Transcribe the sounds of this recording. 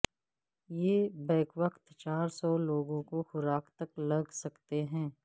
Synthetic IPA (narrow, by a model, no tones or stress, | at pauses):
jeːbɛːkʋəkt̪t͡ʃaːɾsɔːloːɡõkoxʊɾaːkʰt̪ɐklɐɡʱsɐkt̪eɦɛ̃ː